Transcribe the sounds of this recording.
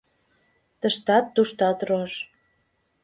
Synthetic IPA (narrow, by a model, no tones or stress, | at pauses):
t̪ə̆ʃt̪ɑt̪ːuʃt̪ɑt̪roʃ